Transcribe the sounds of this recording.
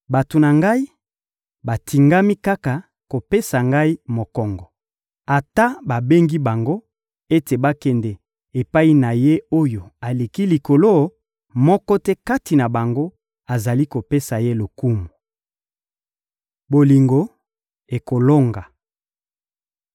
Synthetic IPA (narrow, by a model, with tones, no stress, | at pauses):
ba˨to˨na˨ŋɡa˦i˦ | ba˨tʰi˨ŋɡa˦mi˦ka˦ka˨ | ko˨pe˦sa˨ŋɡa˦i˦mo˨kɔ˨ŋɡɔ˨ | a˨ta˦ba˨be˦ŋɡi˦ba˨ŋɡo˦ | e˦te˨ba˦kɛ˨ndɛ˨ | e˨pa˦i˦na˨je˦o˦jo˨a˨le˨ki˦li˨ko˨lo˦ | mɔ˦kɔ˦tɛ˦ka˦ti˨na˨ba˨ŋɡo˦ | a˨za˨li˦ko˨pe˦sa˨je˦lo˨ku˦mu˨ | bo˨li˨ŋɡo˨ | e˨ko˨lo˦ŋɡa˨